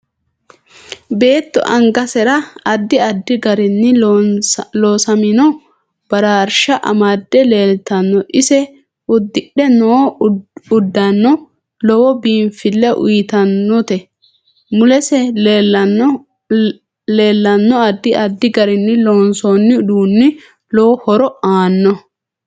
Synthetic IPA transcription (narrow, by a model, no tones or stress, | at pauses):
be̞ːt̪ːɔ̰ʔɐŋɡɐsɛɾɐɐd̪ːɪɐd̪ːɪɡɐɾɪnːɪ | loːsɐmɪnɔ | b̥ɐɾaːɾʃɐʔɐ̰maːd̪ːɛleːlt̪ɐnːɔʔɪsɛ | ʊd̪ːɪɗɛnoː | ʊd̪ːɐnːɔ | lɔwɔbiːmfɪlːɛʔʊ̰jt̪ɐnːɔt̪ɛ | mʊlɛsɛeɐn | leːlːɐnːɔɐd̪ːɪʔɐd̪ːɪɡɐɾɪnːɪloːnsoːnːɪʊd̪uːnːɪ | lɔwɔhɔɾɔaːnːɔ